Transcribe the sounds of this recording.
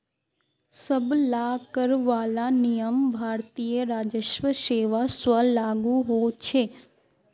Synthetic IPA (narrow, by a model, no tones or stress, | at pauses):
sɐblaːkəɾʋaːlanijəmbʱaːɾt̪iːjəɾaːd͡ʒəʃʋəʃeːʋasʋəlaːɡuɦot͡ʃʰeː